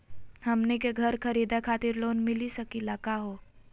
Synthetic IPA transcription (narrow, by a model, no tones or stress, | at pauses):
hɐmnekeɡʱəɾkʰəɾiːd̪akʰaːt̪ɪɾloːnmɪlisəkilakaɦoː